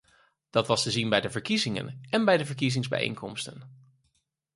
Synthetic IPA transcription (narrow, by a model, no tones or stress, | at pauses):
d̥ɑtʋɑstəzinbɛjdəvəɹkizɪŋə̰nɛnbɛjdəvəɹk̬izɪŋzbɛ̰jḛjŋkɔmstən